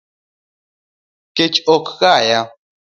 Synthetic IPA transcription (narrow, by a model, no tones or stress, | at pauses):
ket͡ʃokɣaja